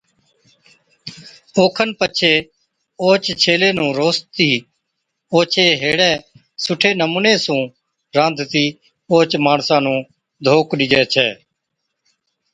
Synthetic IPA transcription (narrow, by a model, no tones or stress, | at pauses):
oːkʰənpət͡ʃʰeː | oːt͡ʃt͡ʃʰeːleːnũːɾoːst̪iː | oːt͡ʃʰeːɦeːɽɛ̃ː | sʊʈʰeːnəmuːneːsũː | ɾãːnd̪ʱt̪iː | oːt͡ʃmaːɳsãːnũː | d̪ʱoːkɗid͡ʒɛːt͡ʃʰɛː